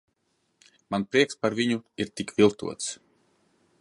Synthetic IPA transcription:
manpɾiɛkspaɾviɲuiɾt̪ikvilˠt̪ṵɔt̪s

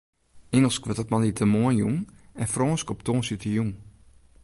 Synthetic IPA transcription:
ɪŋəlˠskʋɔtətmanitʰəmoənjṵŋɛnfrɔːnskɔptʰoːnsitʰəjuŋ

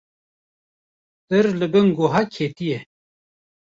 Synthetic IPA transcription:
t̪əɾləɡəŋɡoɦakʰeːt̪ije

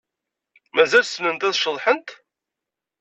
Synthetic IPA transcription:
mæzælsnənt̪æðʃəðˤħənt̪

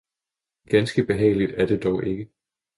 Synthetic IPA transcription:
ɡ̥ænsɡ̥əb̥e̝ɦɛ̰ːɪlid̥æɐd̥e̝d̥ɒʊʔe̝ɡ̥ə

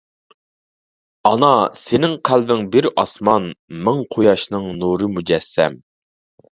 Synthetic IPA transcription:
ɑnɑsenɪŋqʰælbɪŋbɪɾɑsmɑnmɨŋqʰojɑʃnɨŋnuɾɨmud͡ʒɛsːɛ̰m

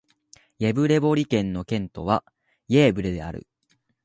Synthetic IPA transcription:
jebɯ̟ɾe̞bo̞ɾʲikẽ̞nːo̞kẽ̞nt̪o̞β̞a | je̞ːbɯ̟ɾe̞d̪e̞a̰ɾɯ̟̰

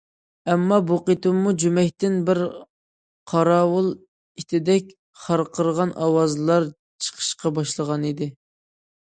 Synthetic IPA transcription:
ɛmːɑbuqet̪umːud͡ʒymɛkʲt̪ɪnbɪɾ | qʰɑɾɑːwʊlˠ | it̪ʰɪd̪ɛk̚ʲ | χɑɾqʰəɾəʁɑnʔɑwɑzlˠɑɾ | t͡ʃʰə̥qʰə̥ʃqɑbɑʃlˠəʁɑnid̪ɪ

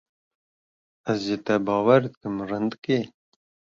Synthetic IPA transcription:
æzʒet̪ɛbɑːwɛɾd̪ɨkɨmrɨnd̪ɨke

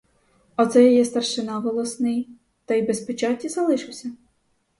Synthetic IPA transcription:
ɔt̪sɛjɔjɛst̪ɐrʃɪnɑʋɔlˠɔsnɪj | t̪ɐjbespet͡ʃɑtʲːizɐlˠɪʃɪwsʲɐ

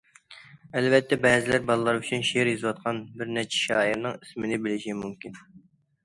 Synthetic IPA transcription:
ɛlvɛt̪ʰːɛbɛːzɪlæɾbɑlˠɨlˠɑɾyt͡ʃʰynʃeɾjizɨwɑt̪̚qʰɑnbɪɾnɛɾt͡ʃʰɛ̥ʃɑːiɾnɨŋismɪnɪbɪlɪʃimumkʲin

